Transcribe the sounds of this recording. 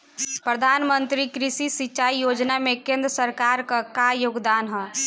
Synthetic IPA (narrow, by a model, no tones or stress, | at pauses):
pɾəd̪ʱanmənt̪ɾikɾisisit͡ʃaijod͡ʒnamekẽnd̪ɾəsəɾkaɾkakajoɡd̪anɦə